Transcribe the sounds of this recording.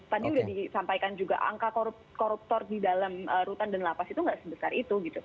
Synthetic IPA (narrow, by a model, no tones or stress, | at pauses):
t̪adiudahdisampajkand͡ʒuɡa̰ʔa̰ŋkakoɾup | koɾup̚t̪ɔrdidalaməɾut̪andanlapasit̪uŋɡaʔsəbəsarit̪uɡit̪u